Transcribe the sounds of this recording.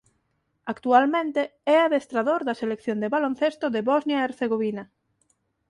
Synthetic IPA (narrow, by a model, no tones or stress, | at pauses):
akt̪ualmẽnt̪eɛaðest̪ɾaðoɾðɐselekθjond̪eβalonθest̪ʊðeβɔznjaeɾθeɣoβinɐ